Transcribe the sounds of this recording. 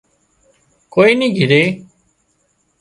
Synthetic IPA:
koːiːnĩːɡʱiɾeː

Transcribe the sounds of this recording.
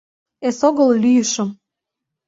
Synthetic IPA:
esoɣəllyjəʃə̆m

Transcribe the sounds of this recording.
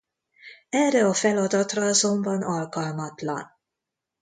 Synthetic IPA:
ɛrɛɒfɛlɒd̪ɒt̪rɒɒzo̞mbɒnɒlkɒlmɒt̪lɒ̰n

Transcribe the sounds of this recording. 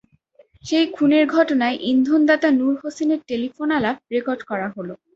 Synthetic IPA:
ʃejkʰuneɾɡʱɔʈonaeʔind̪ʱond̪at̪anuɾɦoseneɾʈelifonalab̚ɾekoɾɖkɔɾaɦolo

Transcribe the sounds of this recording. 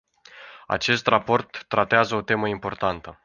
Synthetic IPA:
a̰t͡ʃe̞st̪rapo̞rt̪ːɾat̪eazəot̪e̞məimpo̞rt̪ant̪ə

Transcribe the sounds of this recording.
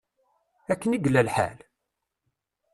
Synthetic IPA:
ækːəniɡlːælħæ̰l

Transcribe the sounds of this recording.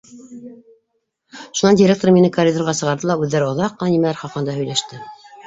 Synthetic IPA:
ʃunɑndʲɪɾʲek̚t̪oɾminɘkɐrʲid̪orʁɑsɤ̆ʁɑɾðɤlˠɑʉðːæɾɘŏðɑqːɤ̆nɑnimælæɾχɑqɤ̆nd̪ɑhɵ̆jlæʃt̪ɘ

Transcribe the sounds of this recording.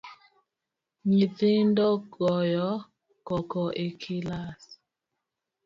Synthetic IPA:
ɲitɪndɔɡɔjɔ | kɔkɔʔekʰilas

